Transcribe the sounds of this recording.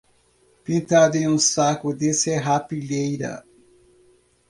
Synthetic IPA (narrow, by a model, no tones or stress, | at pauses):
pĩnt̪ad̪ʊẽũsakʊd̪eseɦapiʎejɾɐ̰